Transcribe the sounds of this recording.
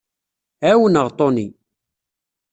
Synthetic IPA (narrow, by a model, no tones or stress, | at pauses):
æwənəʁt̪ˤoni